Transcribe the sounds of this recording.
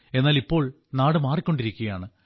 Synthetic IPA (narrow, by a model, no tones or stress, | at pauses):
e̞nːaːlipːo̞ːɭ | naːɽɨmaːrikʲːo̞ɳɖiɾikʲːuɣɐjaːɳɨ